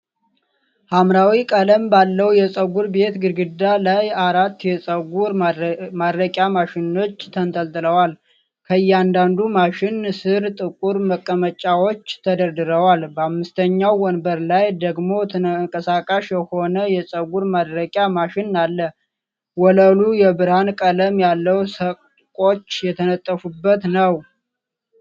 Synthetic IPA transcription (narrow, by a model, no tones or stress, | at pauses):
hamɾawikʼaləmbalːəwjɛsʼəɡuɾbe̞t̪ɡɨɾɡɨd̪alajaɾat̪ːjɛsʼəɡuɾmad̪ɾəkʼjamaʃɪno̞t͡ʃːt̪ʰənt̪ʰʼəlt̪ʼɨləwal | kʰəɨjːɛand̪and̪umaʃɪnsɨɾt̪ʼɨkʼuɾməkʼːəmət͡ʃʼawo̞t͡ʃːt̪ʰəd̪əɾd̪ɨɾəwalbəamːɨst̪ʰəɲːawːɔnbəɾlajd̪əɡmo̞t̪ʰɨŋkʼəsakʼaʃjɛho̞nəjɛsʼəɡuɾmad̪ɾəkʼjamaʃɪnːalːə | wɔləlujɛbɨɾhankʼələmjalːəwsə | kʼo̞t͡ʃːjɛt̪ʰənət̪ʼːəfubːət̪nəw